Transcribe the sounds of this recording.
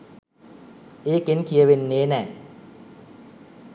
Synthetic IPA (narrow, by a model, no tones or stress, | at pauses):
ʔekenkʰiəwenːenɛ